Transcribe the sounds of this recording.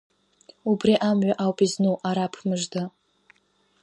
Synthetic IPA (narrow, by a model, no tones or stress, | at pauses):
ubriʔamɥaʔawpʼiznuʔaɾapʰmɨʐda